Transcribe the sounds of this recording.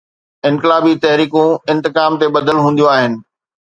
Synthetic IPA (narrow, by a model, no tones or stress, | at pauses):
ɪ̃nkɪlaːbit̪ɐɦɾiːkũɪ̃nt̪ɪkaːmt̪eɓɐd̪əlɦũːn̆d̪ijoaːɦɪnɪ̆